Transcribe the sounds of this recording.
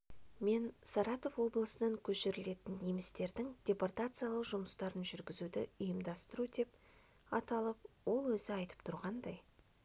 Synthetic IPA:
me̞nsɑɾɑt̪o̞vwo̞blˠəsənɑŋkʲʰɵʃeɾɪle̞t̪ɪnːemɪst̪e̞ɾd̪ɪŋd̪ʲe̞port̪at̪sɨjalˠəqʒʊməst̪ɑɾənʒʏɾɡʲɪzud̪ɪ̰ʊjəmd̪ɑst̪əɾud̪e̞p̚ | ɑt̪ɑlˠəp̚wo̞lˠwɵzɪɑjt̪ə̥pt̪ʰʊɾʁɑnd̪ɑj

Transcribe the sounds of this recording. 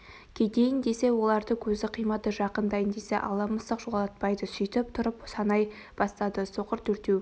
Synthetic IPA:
kʲʰed̪e̞jɪnd̪e̞se̞wo̞lˠɑɾd̪əkʲʰɵzd̪ɪqʰijmɑt̪əʒɑqənd̪ɑjənd̪e̞se̞̰ʔɑ̰lˠɑməst̪əqʒolˠd̪ɑt̪̚pɑjd̪əsʏjt̪ɪp̚t̪ʰʊɾəpsɑnɑj | b̥ɑst̪ɑd̪əso̞qəɾt̪ʰɵɾt̪e

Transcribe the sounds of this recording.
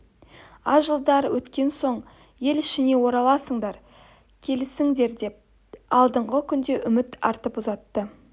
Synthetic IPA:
ɑʒəlˠd̪ɑɾwʔɵt̪kʲe̞nso̞ɴ | je̞lɪʃɪne̞wo̞ɾɑlˠɑsəɴd̪ɑɾ | kʲʰe̞lɪsɪŋd̪e̞ɾd̪e̞p̚ | ɑlˠd̪əɴʁəkʲʰʏnd̪e̞ʔʏmɪt̪ɑ̰ɾt̪əpʊzɑt̪ːə

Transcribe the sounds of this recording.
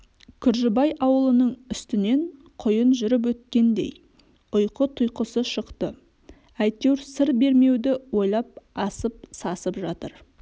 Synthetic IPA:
kʲʰʏɾʒɪbɑjʔɑwəlˠənəɴʏst̪ɪne̞ɴ | qʰʊjənʒʏɾɪp̬wɵt̪̚kʲe̞nd̪ḛj | ʊjqət̪ʰʊjqəsəʃəqt̪ə | æjt̪ewɾsəɾbe̞ɾme̞wd̪ɪwo̞jlˠɑp̚ɑsəp̚sɑsəpʒɑt̪əɾ

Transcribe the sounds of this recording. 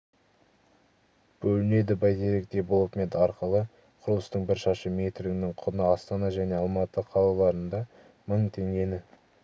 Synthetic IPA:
b̥ɵlɪne̞d̪ɪbɑjt̪ʰe̞ɾek̚t̪e̞bolˠət̪me̞t̪ɑɾqəlˠə | qʰʊɾlˠəst̪əɴbɪɾʃɑʃəme̞t̪ɾɪɡʲɪnɪŋqʰʊnəɑst̪ɑnɑʒæne̞ɑlˠmɑt̪əqʰɑlˠɑlˠɑɾənd̪ɑ | məɴt̪ʰe̞ŋɡʲe̞nɪ

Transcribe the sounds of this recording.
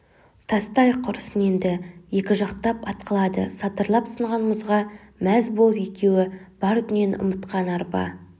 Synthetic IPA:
t̪ʰɑst̪ɑjqʰʊɾəsəne̞nd̪ɪje̞kʲɪʒɑqt̪ɑpɑt̪̚qʰəlˠɑd̪ə̰sɑt̪əɾlˠɑpsəɴʁɑnməzʁɑ | mæzbo̞lˠəpe̞kʲe̞wɪb̥ɑɾt̪ɪnenʔʊ̰mət̪qɑnɑɾpɑ̰

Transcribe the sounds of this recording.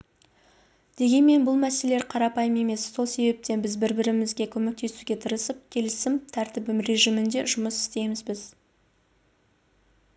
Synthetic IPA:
d̪̥e̞ɡʲe̞nme̞nbʊlˠmæse̞le̞ɾqʰɑɾɑpɑjəme̞me̞sːo̞lˠse̞be̞p̚t̪e̞nbɪzbɪɾbɪɾɪmɪzɡʲe̞kʲʰɵme̞k̚t̪ʰe̞suɡʲe̞t̪ʰəɾəsəp̚kʲʰe̞lɪsɪmt̪ʰæɾt̪ɪbɪmre̞ʒimɪnd̪e̞̰ʒʊməsɪ̥st̪e̞jmɪzbɪz

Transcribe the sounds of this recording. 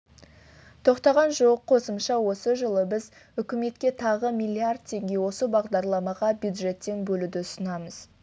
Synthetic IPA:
t̪ʰo̞qt̪ɑʁɑnʒoəqqʰo̞səmʃɑwo̞səʒəlˠəbɪz | ʏkʲɪme̞t̪kʲe̞t̪ʰɑʁəmijlʲːiard̪̚t̪ʰe̞ŋɡʲe̞wo̞səbɑʁd̪ɑɾlˠɑmɑʁɑbjud̪ʒe̞t̪ːe̞ŋbɵlud̪ɪsənɑməz̥

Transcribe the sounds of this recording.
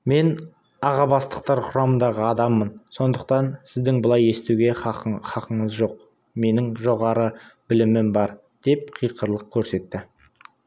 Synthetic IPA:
me̞n | ɑʁɑbɑst̪ə̥q̚t̪ɑɾqʰʊɾɑmənd̪ɑʁəɑd̪ɑmːənso̞nd̪əq̚t̪ɑnsɪzd̪ɪŋbəlˠɑje̞st̪uɡʲe̞χɑqəɴəzʒo̞q | me̞nɪŋʒo̞ʁɑɾəbɪlɪmɪmbɑɾ | d̪̥e̞p̚qʰijqəɾlˠəq̚kʲʰɵɾse̞t̪ːɪ

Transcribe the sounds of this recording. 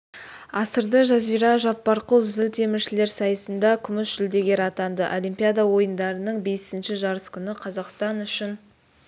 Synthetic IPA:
ɑsəɾd̪əʒɑzijɾɑʒɑpːɑɾqəlˠzɪlt̪ʰe̞mɪɾʃɪle̞ɾsɑjəsənd̪ɑkʲʰʏmɪsʒʏld̪e̞ɡʲe̞ɾɑt̪ɑnd̪ə̰ʔolijmpʲijad̪ɑwo̞jənd̪ɑɾənəɴbe̞sɪnʃɪʒɑɾəskʲʰʏnɪqʰɑzɑqst̪ɑnʏʃɪn

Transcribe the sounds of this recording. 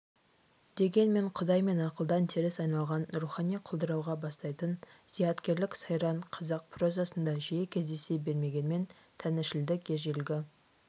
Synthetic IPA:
d̪̥e̞ɡʲe̞nme̞ɴqʰʊd̪ɑjme̞nɑqəlˠd̪ɑnt̪ʰeɾɪsɑjnɑlˠʁɑnruχɑnijqʰʊlˠd̪əɾɑwʁɑbɑst̪ɑjt̪ənz̥ijɑt̪kʲe̞ɾlɪksɑjɾɑɴqʰɑzɑq̚pʰro̞zɑsənd̪ɑʒijekʲʰe̞zd̪e̞se̞be̞ɾme̞ɡʲe̞nme̞n | t̪ʰænɪʃɪld̪ɪkʲʰeʒelɡʲɪ

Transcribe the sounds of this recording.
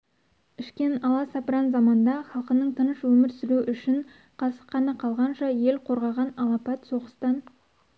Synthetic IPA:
ʏʃkʲe̞nɑlˠɑsɑpɾɑnzɑmɑnd̪ɑχɑlˠqənəɴt̪ʰənəʃwɵmɪɾsɪɾuʔʏʃɪɴ | qʰɑsə̥qʰːɑnɑqʰɑlˠʁɑnʃɑje̞lqʰo̞ɾʁɑʁɑnɑlˠɑpɑt̪so̞ʁəst̪ɑn

